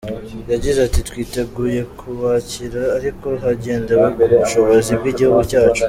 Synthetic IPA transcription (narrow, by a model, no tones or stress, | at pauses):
jaɟizatitwiːte̞ɡuːje̞kʰuβaciɾaːɾiko̞ɦaɟe̞ːndewekuuβuʃo̞βo̞zibɡiɟihuɡucaːt͡ʃu̥